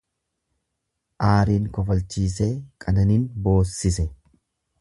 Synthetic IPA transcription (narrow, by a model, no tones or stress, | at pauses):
ʔaːɾiːŋkɔfɔlt͡ʃiːs̬e̞ːkʼɐnɐniːnbo̞ːsːɪsɛ